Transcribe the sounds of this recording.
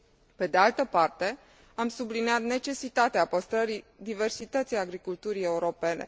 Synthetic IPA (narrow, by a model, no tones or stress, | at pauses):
pe̞d̪e̞alt̪əpart̪e̞ | amsubliniat̪ne̞t͡ʃe̞sit̪at̪eapəst̪ɾəɾid̪ive̞rsit̪ət̪sijaɡɾikult̪uɾie̞uɾo̞pe̞ne̞̰